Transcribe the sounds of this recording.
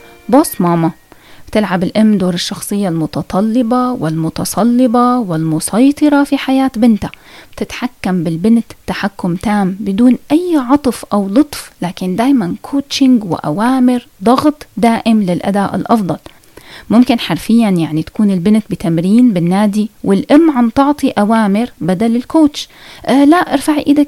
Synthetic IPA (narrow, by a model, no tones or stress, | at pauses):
boːsmɑːmḁt̪ɪlʕabɪlʔɪmːd̪oːɾɪʃːɑxsˤɨjːalmʊt̪ɑt̪ˤʰɑlːɪbawɪlmʊt̪ɑsˤʰɑlːɪbawɪlmʊsˤɑjt̪ˤɨɾˤɑfiħajaːt̪bɪnt̪ab̥t̪ɪt̪ħakːambɪlbɪnt̪ːaħakːʊmt̪aːmbɪd̪uːnʔajːʕɑt̪ˤfʔawlʊt̪ˤflaːkɪnd̪aːjmankʰoːtʃɪŋɡwɪ̰ʔa̰waːmɪɾ | d̪ˤɑɣt̪ˤd̪aːʔɪmlɪlʔa̰d̪aːʔɪ̰lʔɑfd̪ˤɑl | mʊmkɪnħaɾfɪjːanjaʕnit̪ḁkuːnɪlbɪnt̪̚bɪt̪amɾiːnbɪnːaːd̪iwɪlʔɪmːʕant̪ɑʕt̪ˤiʔawaːmɪɾbad̪alɪlkoːt̪ʃʔlaʔɪɾfaʕiʔɪd̪a